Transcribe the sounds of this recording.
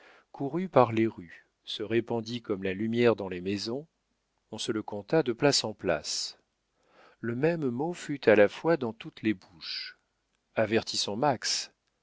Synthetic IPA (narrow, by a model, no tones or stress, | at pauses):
kʰuʁypaʁleʁy | səʁepɑ̃d̪ikɔmlalymjɛʁd̪ɑ̃lemezɔ̃ | ɔ̃sələkɔ̃t̪ad̪əplasɑ̃pla̰s | ləmɛmːofyt̪ʰalafwad̪ɑ̃t̪ut̪lebuʃ | avɛʁt̪isɑ̃maks